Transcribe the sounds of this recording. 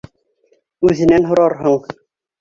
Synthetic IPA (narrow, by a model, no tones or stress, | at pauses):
ʉðɘ̆nænɦŏɾɑɾɦɤɴ